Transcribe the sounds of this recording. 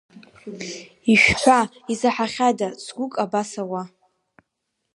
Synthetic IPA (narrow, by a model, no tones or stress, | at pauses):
iʃᶣħʷaizaħaχʲadasɡʷʊkʼabasawa